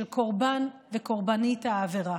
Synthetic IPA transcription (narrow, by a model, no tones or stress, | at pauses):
lkʰo̞ʁbanveko̞ʁbanitaːveʁa